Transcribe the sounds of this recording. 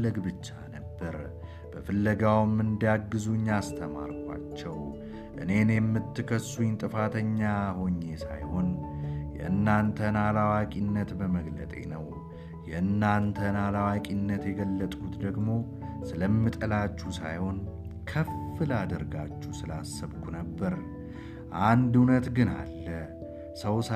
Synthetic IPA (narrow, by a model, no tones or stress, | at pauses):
əɡbɨt͡ʃːanəbːəɾ | b̥əfɨlːəɡawmɨnd̪ijaɡːɨzuɲːast̪ʰəma̰ɾkʷwa̰t͡ʃːɛw | ʔɨ̰ne̞njɛmːɨt̪ːɨkʰəsːujɪnt̪ʼɨfat̪ʰəɲːaho̞ɲːe̞sa̰jho̞njɛ̰ʔɨnːant̪ʰənalawakʼinːət̪bəməɡlə̰t̪ʼe̞̰nəw | jɛɨnːant̪ʰənalawakʼinːət̪jɛɡəlːət̪ʼkʰut̪d̪əɡmo̞ | sɨləmːɨt̪ʼəlat͡ʃːusa̰jho̞n | kʰəfːɨlad̪əɾɡat͡ʃːusɨlasːəβkʰunəbːəɾ | ʔand̪unət̪ɡɨna̰lːə | səws